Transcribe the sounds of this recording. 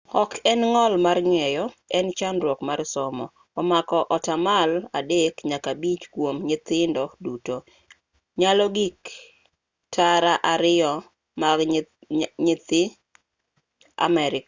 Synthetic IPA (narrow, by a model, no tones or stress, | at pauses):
ɔkʰɛnŋɔlmarɲwɛjɔɛnt͡ʃanɾwɔkmaɾsɔmɔ | ɔmakɔʔɔtamaladekɲakabit͡ʃkwomɲɪt̪ɪndɔduto | ɲalɔɡik | tʰaɾaʔaɾɪɔ | ma | ɲɪt̪ɪ | a̰mɛɾɪka